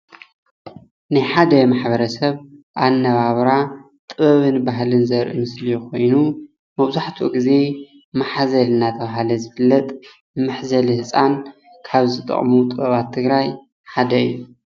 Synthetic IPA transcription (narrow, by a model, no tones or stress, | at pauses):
nɨħad̪ɐmaħbɐɾɐsɐβʔanːɐβaβɾa | t̪ʼɨβɐβɨnbaɦlɨnzɐɾʔḭmɨslijko̞jnu | mɐβzaħt̪ʰuɡize̞ | maħazɐlɨnat̪ʰɐβaɦalɐzɨfɨlːɐt̪ʼ | mɨħzɐlihɨsʼan | kʰaβzɨt̪ʼɨ̰χʼmut̪ʼɨβɐβat̪ʰːɨɡɾaj | ħad̪ɐɨ̰jːu